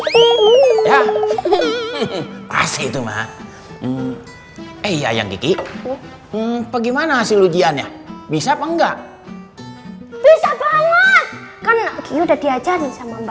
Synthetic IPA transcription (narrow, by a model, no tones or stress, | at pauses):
ja | pa̰sit̪uma̰ | eija̰ja̰ŋɡiki | paɡimanaasilud͡ʒianjabisapəŋɡaʔ | b̥isabaŋakankijodadiad͡ʒaɾisamamb